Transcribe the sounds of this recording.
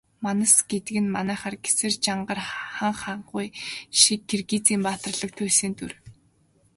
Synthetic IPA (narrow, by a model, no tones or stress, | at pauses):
manə̆sɡet̪ɘ̆ɡɘ̆nmanæːχarɡe̥sɘ̆rt͡ɕaɴɢə̆rχaɴχaɴɢʊjʃikːerɡiːt͡siːmpaːt̪ə̆rɮə̆k̚t̪ʰuːsĭːnt̪ur